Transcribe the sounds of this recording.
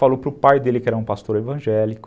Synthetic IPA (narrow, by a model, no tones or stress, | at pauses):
falowpɾʊpajd̪elɪkɪɛɾɐũpast̪oɾevɐ̃ʒɛlikʊ̥